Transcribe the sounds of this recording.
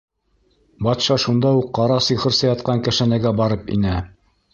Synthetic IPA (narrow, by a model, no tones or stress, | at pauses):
bɑt̪ʃɑʃund̪ɑuqːɑɾɑsɤ̆jχɤ̆ɾsɑjɑt̪̚qɑŋkæ̆ʃænæɡæbɑɾɤpḭnɘ